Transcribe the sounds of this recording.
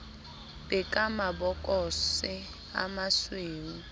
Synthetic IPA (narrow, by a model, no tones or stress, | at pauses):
bɛkʼamabɔkʼɔsɪ | a̰masweːŋ̩